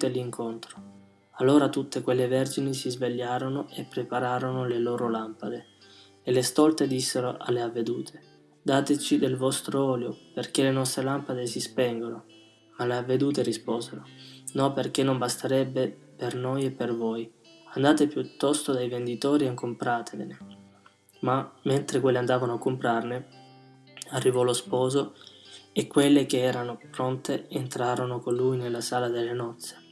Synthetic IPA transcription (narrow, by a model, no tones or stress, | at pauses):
t̪elːiŋkʰont̪ɾo̥ | alːoːɾat̪ut̪ːekwelːevɛrd͡ʒinisizveʎːaːɾonoʔepːɾepaɾaːɾonoleloːɾolampad̪e | elest̪ɔlt̪ed̪isːeɾoʔa̰lːeavːed̪uːt̪ʰe̥ | d̪aːt̪et͡ʃid̪elvɔst̪ɾoɔːljoperk̟elenɔst̪ɾelampad̪esispɛŋɡono | maleavːed̪uːt̪̬eɾispoːzeɾonɔperk̟enːombast̪aɾɛbːe | pernojepːervɔj | and̪aːt̪epjut̪ːɔst̪od̪ajvend̪it̪ɔːɾiaŋkompɾaːt̪ʰevene | mament̪ɾekwelːeand̪aːvanoakːompɾarne | arːivɔlospɔːzo | ekːwelːek̟eɛːɾanopɾɔnt̪eent̪ɾaːɾonokonlujnelːasaːlad̪elːenɔt̪sːe̥